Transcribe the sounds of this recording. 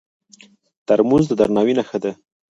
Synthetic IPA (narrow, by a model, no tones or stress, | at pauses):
t̪aɾmuzd̪əd̪aɾnɑwinaxəd̪e